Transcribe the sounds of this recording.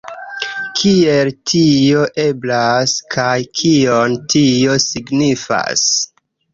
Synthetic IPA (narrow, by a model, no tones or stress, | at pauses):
kʰieltʰio̞ʔe̞blaskʰajkʰiontʰio̞siɡnifa̰s